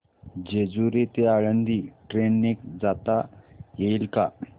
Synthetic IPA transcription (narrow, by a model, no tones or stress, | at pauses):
d͡ʑed͡zuɾet̪eaɭənd̪iːʈɾenːekd͡zat̪ajeilka